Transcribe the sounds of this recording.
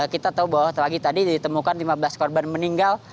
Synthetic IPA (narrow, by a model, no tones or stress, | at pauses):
kit̪at̪aubawaht̪laɡit̪adidit̪əmukanlimabəlaskɔrbanməniŋɡal